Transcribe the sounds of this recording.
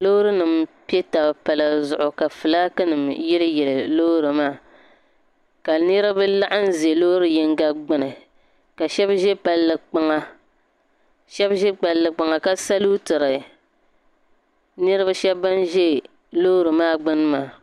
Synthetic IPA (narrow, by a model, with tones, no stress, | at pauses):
loː˦ɾɨ˦nɨ˨mpi˦e˦ta˨bpa˨la˨zʊ˨ʔʊ˨ka˨fɨ˨laː˦kɨ˦nɨ˨mjɛ˦lɨ˦jɛ˨lɨ˨loː˦ɾɨ˨maː˦˨ | ka˨nɨ˦ɾɨ˦bɨ˦la˦ʔa˦n̩˦ze˨lo˦ɾɨ˦jɛ˦ŋ˦ɡa˦ɡ͡bɨ˦nɨ˨ | ka˨ʃɛ˦bʒɛ˦pa˨lːɨ˨k͡pa˦ŋa˦ | ʃɛ˦bʒɛ˦k͡pa˨lːɨ˨k͡pa˨ŋa˨ka˦sa˦lu˦tɨ˨ɾɨ˨ | nɨ˦ɾɨ˦ba˦ʃɛ˦bba˦n˦ʒɛ˦ | lo˦ɾɨ˨maː˦˨ɡ͡bɨ˦n˦maː˨